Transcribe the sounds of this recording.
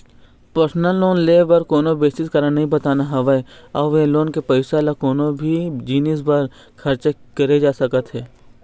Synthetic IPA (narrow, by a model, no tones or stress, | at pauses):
pəɾsnəlːoːnleːʋɐɾkoːnobeːsɪt̪kɐɾanɐɦĩbɐt̪aːnaɦɐʋəeɔːʋeloːnkepəɪsalakoːnobʱid͡ʒiːnisbaɾ | kʰɐɾt͡ʃkɐɾed͡ʒaːsɐkət̪ɦɛː